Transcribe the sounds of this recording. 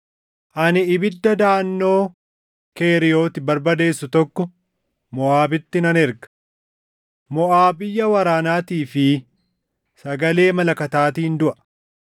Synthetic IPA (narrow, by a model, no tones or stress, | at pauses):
ʔɐnɪɪbɪd̪ːɐd̪aːɐnːo̞ː | ke̞ːɾɪjo̞ːt̪ɪbɐɾbɐd̪e̞ːsːʊt̪ɔkːɔ | mɔʔaːbɪt̪ːɪnɐnɛɾɡɐ̥ | mɔʔaːbɪjːɐwɐɾaːnaːt̪iːfɪ | sɐɡɐle̞ːmɐlɐkɐt̪aːt̪iːɪnd̪ʊʔɐ̥